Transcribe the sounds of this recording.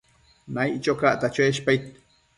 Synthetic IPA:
najt͡ʃokaʔt̪at͡ʃoeʃpajt̪̚

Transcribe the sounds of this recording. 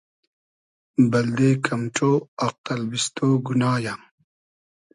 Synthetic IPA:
bɐld̪ekʰɐmʈ͡ʂoːɐq̚t̪ɐlbist̪oːɡunaːjam

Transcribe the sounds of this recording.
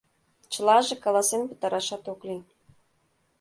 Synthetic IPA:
t͡ɕə̆lɑʒĕkɑlɑsenpə̥̆t̪ɑɾɑʃɑt̪okli

